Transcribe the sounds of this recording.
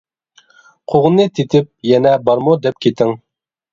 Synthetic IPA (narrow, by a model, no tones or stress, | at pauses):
qʰuʁnːɨt̪ʰit̪ɪp̚jɛnɛbɑɾmud̪ɛp̚kʲit̪ɪŋ